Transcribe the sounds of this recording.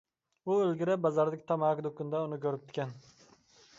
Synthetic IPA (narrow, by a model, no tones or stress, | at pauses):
ʊɵlɡʲɪɾɪbazaɾd̪ɪkʲt̪ʰamakʲd̪ʊkːʊnd̪aʊnɪkʲʰɵɾɪp̚t̪ʰɪ̥kʲan